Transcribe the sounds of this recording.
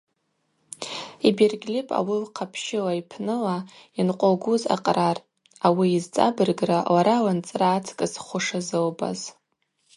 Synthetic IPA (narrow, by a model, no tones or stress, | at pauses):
ibirɡʲlʲɪpʼa̰wilqʰapʰʃɪlaipʰnɨlainqʷʼoɡuza̰qʼrar | awiːzt͡sʼa̰bɨrɡralaɾalant͡sʼraːt͡sʰkʼɨsχʷʊʂazɨlba̰z̥